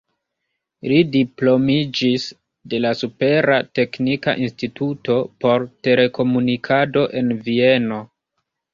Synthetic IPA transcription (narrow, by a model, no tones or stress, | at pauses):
lidiplo̞mid͡ʒis | de̞lasupe̞ɾate̞knika̰ʔinstituto̞po̞ɾte̞le̞ko̞munikʰado̞ʔe̞nvie̞no̞